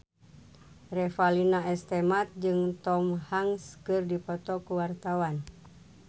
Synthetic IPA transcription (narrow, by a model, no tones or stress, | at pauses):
rɛfalinaɛst̪ɛmat̪̚d͡ʒɨŋt̪ɔmhaŋskɨrdipɔt̪ɔkuwart̪awan